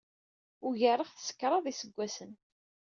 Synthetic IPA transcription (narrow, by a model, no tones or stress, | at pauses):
ʊʝəɾˤəχθsə̥kːɾˤɑðˤisəɡʷːæsən